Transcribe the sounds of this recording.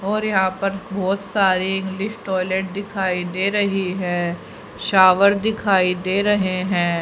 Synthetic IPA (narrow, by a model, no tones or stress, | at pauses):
ɔːɾjɐɦãːpɐɾbɔːt̪saːɾiɪ̃ŋɡlɪʃʈɔːɪleːʈ̚d̪ɪkʰaːid̪eːɾɐɦiɦɛ̃ː | ʃaːʋəɾd̪ɪkʰaːid̪eːɾɐɦeɦɛ̃ː